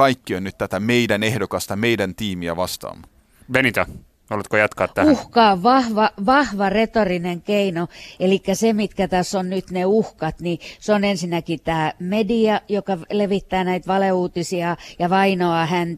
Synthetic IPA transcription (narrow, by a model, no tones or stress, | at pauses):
ɑikːionnyt̪t̪æt̪æmeidænehdokɑst̪ɑmeidænt̪iːmiæ̰ʋɑst̪ɑ̰ːm | benit̪ɑ | olet̪kojɑt̪kɑːt̪ːæuhkɑoʋʋɑhʋɑʋɑhʋɑret̪orineŋkeinoelikːæsemit̪kæt̪æsːonnyt̪neuhkɑt̪niseonensinːækit̪æːmediɑjokɑleʋit̪ːæːnæit̪ʋɑleuːt̪isiɑjɑʋɑinoɑhænt̪